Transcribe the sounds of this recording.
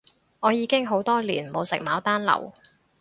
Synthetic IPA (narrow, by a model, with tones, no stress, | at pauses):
ŋɔː˨˧jiː˨˧kɪ˥ŋɦo˨˥wt̪ɔː˥liː˨˩nmo˨˧wsɪ̰˨k̚maː˨˥wt̪aː˥nlɐ̰˨˩w